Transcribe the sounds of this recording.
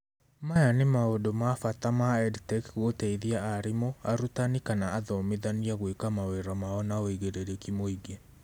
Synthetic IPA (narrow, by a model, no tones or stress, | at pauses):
majanemaodomafatamaɛdtɛkɣotɛiðiaaɾimoaɾutanikanaaðɔmeðaniaɣwekamaweɾɔmaɔnaoiɣeɾeɾekimoiɡe